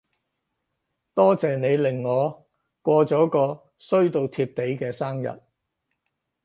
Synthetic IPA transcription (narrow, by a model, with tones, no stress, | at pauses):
t̪ɔː˥t͡sɛː˨ne˨˧jlɪ˨˩ŋːɔː˨˧ | kʷɔː˧t͡sɔː˨˥kɔː˧ | sɵ˥ɥt̪o˧wt̪ʰiː˧p̚t̪e˨˥jkɛː˧saː˥ŋjɐ̰˨˩t̚